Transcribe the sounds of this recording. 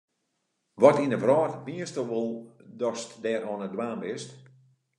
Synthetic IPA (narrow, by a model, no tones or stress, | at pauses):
ʋɔtinəvrɔːtəmiəstəʋolˠdɔstdɛːrɔnədwaːmbɪst